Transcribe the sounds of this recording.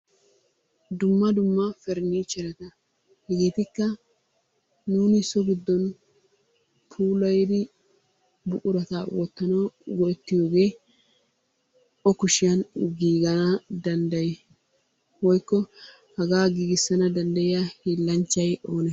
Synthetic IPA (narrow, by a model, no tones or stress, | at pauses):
d̪ʊmːɐd̪ʊmːɐfɛɾniːt͡ʃɛɾɐt̪ɐ | hɛɡeːt̪ɪkːɐ | nuːnɪsɔɡɪd̪ːɔn | pʰuːlɐjd̪ɪ | bʊʔʊɾɐt̪aːwɔt̪ːɐnɐwɡɔɛt̪ːɪjo̞ːɡe̞ː | ɔkʊʃɪjɐnɡiːɡɐnɐd̪ɐnd̪ɐjɛ | wɔjkːɔ | hɐɡaːɡiːɡɪsːɐnɐd̪ɐnd̪ɐjɪjahiːlːɐnt͡ʃːɐjo̞ːnɛ